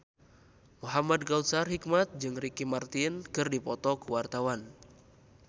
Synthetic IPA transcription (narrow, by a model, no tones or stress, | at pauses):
muɦamad̚ɡaut̪sarhik̚mat̪̚d͡ʒɨŋrikimart̪inkɨrdipɔt̪ɔkuwart̪awan